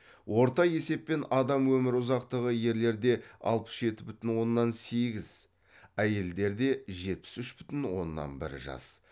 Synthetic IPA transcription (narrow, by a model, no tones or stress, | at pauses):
wo̞ɾt̪ɑje̞se̞pːe̞nɑd̪ɑmwɵmɪɾʊzɑqt̪əʁəje̞ɾle̞ɾd̪e̞ɑ̰lˠpə̥sʒe̞t̪ɪbʏt̪ɪnwo̞nːɑnse̞ɡʲɪz | æje̞ld̪e̞ɾd̪e̞ʒe̞t̪̚pɪ̥sʏʃbʏt̪ɪnwo̞̰nːɑ̰nbɪ̰ɾʒɑ̰s